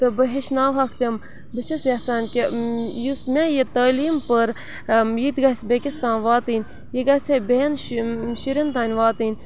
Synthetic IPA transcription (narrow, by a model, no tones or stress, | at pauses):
t̪ɨbəɦeʃnaːwɦɐkʰt̪ʲem | bəʃisjasaːnʲkejusmʲejet̪aːliːmpəɾ | jit̪ʲɡɐsʲbʲekʲist̪aːnʋaːt̪ɨnʲ | jiɡɐsʲebʲenʃiɾʲint̪aːnʲʋaːt̪ɨnʲ